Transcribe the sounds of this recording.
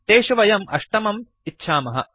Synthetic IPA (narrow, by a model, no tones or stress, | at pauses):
t̪eːʃɐʋɐjɐmʔɐ̰ʂʈɐmɐm | itːʃʰaːmɐɦɐ̰